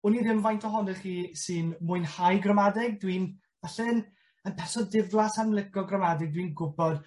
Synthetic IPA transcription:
ʊniðɪmvajntʰɔɦɔnɛχiːsɨnmʊɨnhajɡrəmadɪɡ̚dwin | vaɬɛn | ənpʰɛsɔdɪvlˠasarmlˠɪɡɔɡrəmadɪɡ̚dwinɡʊbɔd̥

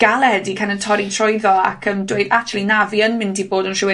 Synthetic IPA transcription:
ɡ̥alˠɛdikʰanəntʰɔɾitʰrɔɨðɔa̰kʰəndweɨd̥ak̚t͡ʃʰulˠinaviənmɪ̃ndʰiboːdənʃɪwe

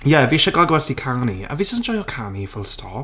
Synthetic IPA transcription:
jɛviːʃəɡɔɡwɛsikʰania̰viːsəsnd͡ʒɔjɔkʰanifʊlˠstʰɔ̰p

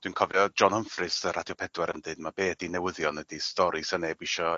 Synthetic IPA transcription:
d̥winkʰɔvɔd͡ʒɔnəmfrɨsəɾʔadjɔpʰɛdwɛɾəndɨɨdmabeːdinɛwɪðjɔnədistɔɾisanebiʃɔ

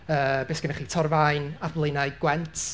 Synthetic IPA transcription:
əːbeːsɡ̥ənaχiːtʰɔrvajnaðlˠeɨnaɨɡwɛntʰ

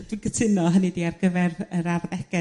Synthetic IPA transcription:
d̥winɡətʰɪnɔɦənidiːarɡəvɛrəɾarðɛɡ̥ɛ

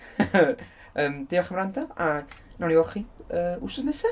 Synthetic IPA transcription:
əːmd̥iɔχəmɾantʰaanawniɔχiəːusɔsnəsɛ

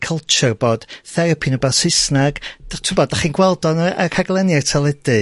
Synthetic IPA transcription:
kʰəlˠt͡ʃʊrb̥oːd̥θɛɾɔpʰinəbasɪsnaɡ̥tʰɪbɔdaχiːnɡwɛlˠdɔnakʰaɡlˠɛnjartʰɛlˠɛd̥ɨ

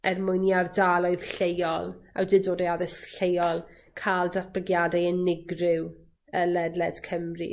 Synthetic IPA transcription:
ɛrmʊɨniardalˠɔɨð̥ɬejɔlˠa̰wdɪdoːdɛaðɪsɬejɔlˠ | kʰaːlˠdaθb̥əɡjadɛɛnɪɡrɪw | əlɛdlɛd̥kʰəmrḭ

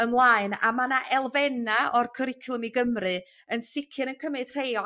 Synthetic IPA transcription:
əmlˠaːɨna̰manaʔɛlˠvɛnaɔrkʰəɾɪkʰlˠəmiɡəmrɨ | ənsɪkʰɨnənkʰəmɨd̥r̥ejɔ

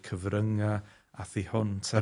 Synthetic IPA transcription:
kʰəvɾəŋa | aθihʊntʰa

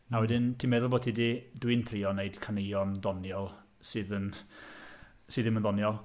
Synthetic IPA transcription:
awɛdɪntʰimeðʊlˠboːtʰididwɨnθʰrɪɔnejd̥kʰanejɔnðɔnjɔlˠ | sɨːðən | sɨðɪmənðɔnjɔlˠ

